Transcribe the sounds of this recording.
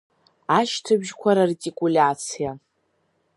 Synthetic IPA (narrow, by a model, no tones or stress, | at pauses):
aʃtʰabʒkʷʰaɾartʼikʼulʲat͡sʰija